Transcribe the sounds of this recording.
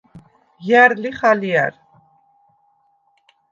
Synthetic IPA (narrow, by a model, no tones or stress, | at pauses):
jæɾliχaliæ̰ɾ